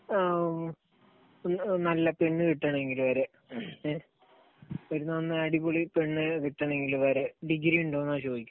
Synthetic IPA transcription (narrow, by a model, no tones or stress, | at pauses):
nɐlːɐpe̞ɳːɨkiʈːaɳe̞ŋɡilʋɐɾe | ʋɐɾunːɐnːɨɐɽipoɭipe̞ɳːɨkiʈːaːɳe̞ŋɡiluʋɐɾeɖiɡɾiuɳɖoːnːaːɕo̞ːikʲːu